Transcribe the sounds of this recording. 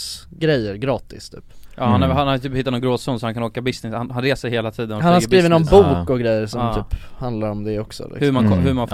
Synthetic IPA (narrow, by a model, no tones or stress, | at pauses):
ɡɾɛjːəɾɡɾɑːt̪ɪ̰st̪ʰy̰ːpjʔɑ̰ːhanɛhanhat̪ʰyːphɪt̪ːanɔnɡɾoːsʉːnsɔhankʰanoːkabɪsnɪshanhanɾeːsɛjheːlat̪ʰiːd̪ənɔhanasɾiːvənɔnbuːkɔɡɾɛjːəɾʂɔmtʰyːphand̪laɾɔmd̪ɛɔksɔ̰lɪ̰hɵɾmankʰɔhɵmanf